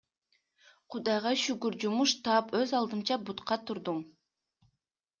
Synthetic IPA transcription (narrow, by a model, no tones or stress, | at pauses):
qʰʊd̪ɑjʁɑʃykyɾd͡ʒumuʃt̪ɑːpøzɑlˠd̪ɯmt͡ʃɑbut̪qɑt̪ʰuɾd̪um